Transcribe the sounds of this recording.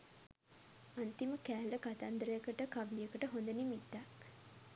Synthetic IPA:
ant̪iməkæːləkat̪and̪əɾəjəkəʈəkaʋlijəkəʈəɦond̪ənimit̪ːak

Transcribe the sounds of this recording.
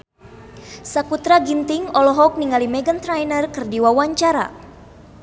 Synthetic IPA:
sakut̪ɾaɡint̪iŋɔlɔɦɔk̚niŋalimɛɡənt̪ɾajnərkɨrdiwawaɲt͡ʃaɾa̰

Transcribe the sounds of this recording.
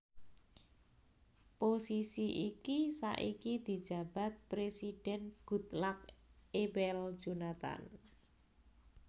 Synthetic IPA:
posisiʔikisa̰ʔikid̪̥i̤d̥d͡ʒ̥ä̤b̥a̤t̪̚pɾesid̥ɛnɡ̥ut̪lak̚ebɛl̥d͡ʒ̥unat̪a̰n

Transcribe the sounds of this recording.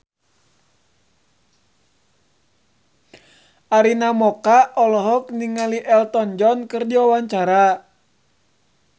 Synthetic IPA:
ʔaɾinamɔkaɔlɔɦɔk̚niŋaliʔɛlt̪ɔnd͡ʒɔnkɨrdiwawaɲt͡ʃaɾa

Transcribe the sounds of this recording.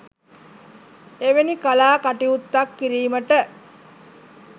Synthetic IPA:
eʋenikalaːkaʈiut̪ːakːiɾiːməʈə

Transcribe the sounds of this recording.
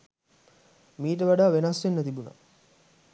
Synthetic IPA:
miːʈ̬əʋaɖaːʋenasʋenːət̪ibuna̰

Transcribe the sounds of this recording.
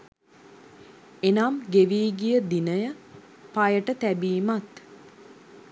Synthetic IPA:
enamɡeʋiːɡijəd̪inəjə | pajəʈət̪æbiːmat̪

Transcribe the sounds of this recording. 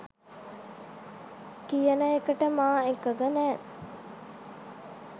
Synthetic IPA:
kijənəekəʈəmaːekːəɡɐnæː

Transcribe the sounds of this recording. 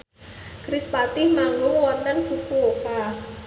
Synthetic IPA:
kɾispat̪ɪhmaŋɡʊŋwɔnt̪ənfukuloka

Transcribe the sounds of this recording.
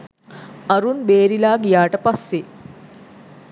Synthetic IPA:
ɐɾunbeːɾilaːɡijaːʈəpasːe

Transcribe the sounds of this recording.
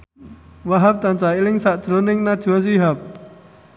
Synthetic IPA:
waɦap̚t̪ant͡ʃailɪŋsaʔd̥ʒ̥ɾonɪŋnad̥ʒ̥uas̬iɦap̚

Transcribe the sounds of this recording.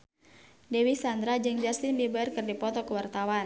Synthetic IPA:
dɛwisand̪ɾad͡ʒɨŋd͡ʒast̪inbibaərkɨrdipɔt̪ɔkəwart̪awan

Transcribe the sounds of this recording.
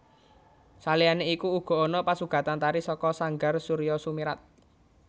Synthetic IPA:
salijaneikuːɡ̥ɔ̤ɔnɔpasuɡ̥ä̤t̪ant̪aɾisɔkɔsaŋɡarsuɾijɔsumiɾat̪̚

